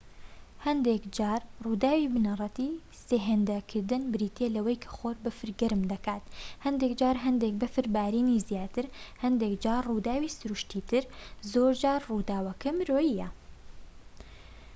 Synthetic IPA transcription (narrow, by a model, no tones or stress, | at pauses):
hɐnd̪eːkd͡ʒaːɾruːd̪aːwiːbɨnɐrˤɑt̪iː | seːɦeːnd̪ɐkʰɨɾd̪ɨnbɨɾiːt̪eːlɐwɐjkʰɐ̥xoːɾbɨfɨɾɡɐɾɨmd̪ɐkaːt̪hɐnd̪eːkd͡ʒaːɾɦɐnd̪eːk̚bɨfɨɾbaːɾiːniːzjaːt̪ɨɾhɐnd̪eːkd͡ʒaːɾruːd̪aːwiːsɨɾuʃt̪iːt̪ɨɾzoːɾd͡ʒaːɾruːd̪aːwɐkɐmɾoːjijɛ